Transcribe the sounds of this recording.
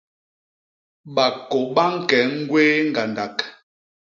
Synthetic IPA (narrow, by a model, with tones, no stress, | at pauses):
ɓa˨ko˨ɓa˦ŋ̩˦kɛ˨˦ŋ̩˦ɡwe˦ŋ̩˦˨ɡa˨nda˨k